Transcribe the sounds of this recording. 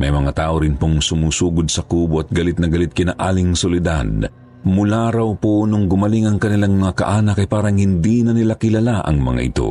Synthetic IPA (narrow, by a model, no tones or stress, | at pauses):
mɐjmɐŋat̪aːʔoɾɪnpoŋsʊmuːsuːɡod̪sɐkuːboʔɐt̪̚ɡɐlɪt̪̚nɐɡɐlɪt̪̚kɪnaʔaːlɪŋsolɪd̪a̰d̪ | mʊlaɾawpoʔnoŋɡʊmɐliŋɐŋkɐnɪlaŋmɐŋakɐ̰ʔaːnɐkːɐjpaːɾɐŋhɪnd̪inɐnɪlakɪlalaʔɐ̰ŋmɐ̰ŋa̰ʔɪ̰t̪o̰